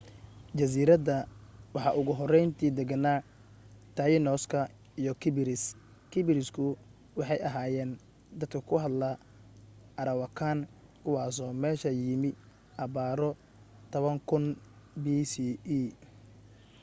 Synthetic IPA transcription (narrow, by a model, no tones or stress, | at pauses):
t͡ʃɐs̬iːɾɐdɐwɑħɑ̰ʔʊɣʊɦɔrɛjnt̪ʰiːd̪ɛɡɐnaː | t̪ʰɐjɪnɔːskʰɐ | ijɔkʰɪbɪɾɪs | kʰɪbɪɾɪskʰʊ | wɑħɑjʔɐɦaːjɛːn | d̪ɐd̪kʰɐkʰʊɦɐd̪lɐ | ʔɐɾɐwɐkʰaːnkʰʊwɑːsɔːmɛːʃɐjɪmɪ | ʔɑβaːɾɔ | t̪ʰɔβɐŋkʰʊnbisiːiː